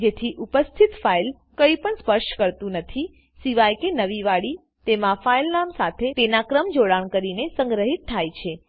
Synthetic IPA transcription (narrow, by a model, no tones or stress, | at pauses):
d͡ʒet̪ʰiʔupəst̪ʰit̪fail | kəjpəɳspəɾʃʈkəɾt̪ũnət̪ʰi | siʋajkenəʋiʋaɽi | t̪emãfailnamsat̪ʰet̪enakɾəmd͡ʒoɽaɳkəɾinesə̃ŋɡɾəɦit̪ʰːajt͡ʃʰe